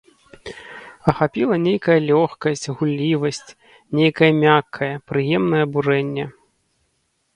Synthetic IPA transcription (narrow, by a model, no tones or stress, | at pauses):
ɐxapʲilˠɐnʲejkɐjɐlʲɔxkɐsʲt͡sʲɣulʲlʲivɐsʲt͡sʲ | nʲejkɐjɐmʲakʰːɐjɐpɾɨjɛmnɐjɛɐburɛnʲːɛ